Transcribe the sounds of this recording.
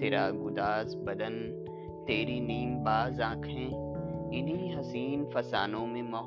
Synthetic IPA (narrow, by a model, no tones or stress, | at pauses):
ɪɾaːɡʊd̪aːzbɐd̪ən | t̪eːɾiniːmbaːzãːkʰɦɛ̃ː | ɪniɦɐsiːnfɐsa̰ːnõmẽmɔː